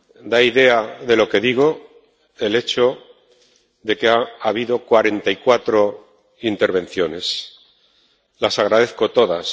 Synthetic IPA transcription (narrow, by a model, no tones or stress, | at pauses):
d̪aiðe̞aðe̞lo̞ke̞ðiɣ̞o̞ | e̞le̞t͡ʃo̞ | ðe̞keaːβiðo̞kwaɾe̞nt̪aikwat̪ɾo̞ | int̪e̞ɾβẽ̞n̟θjo̞ne̞s | lasaɣ̞ɾað̞e̞θko̞t̪o̞ðas